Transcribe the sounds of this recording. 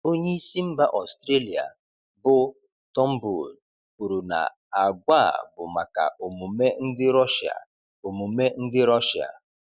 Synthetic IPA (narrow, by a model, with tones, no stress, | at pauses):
o˦ɲe˦i˦si˦m̩˦ba˦ʔɔ˨stɾe˦li˨a̰˨ | bʊ˦ | tɔ˦m̩˦bu˨d | ku˨ɾu˨na̰˨ | a˨ɡʷa˦˨bʊ˨ma˨ka̰˨ʔo˨mu˨me˦n̩˦dɪ˦ɾɔ˦ʃa̰˨ | o˨mu˨me˦n̩˦dɪ˦ɾɔ˦ʃa̰˨